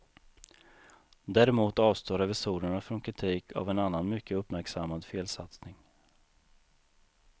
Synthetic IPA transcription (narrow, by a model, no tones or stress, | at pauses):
d̪æːɾɛmuːt̪ɑːvst̪oːɾɛvɪsuːɾəɳafɾɔnkʰɾɪt̪ʰiːkʰa̰vɛnanːanmʏkːəɵpmæɾksamːad̪feːlsat̪snɪŋ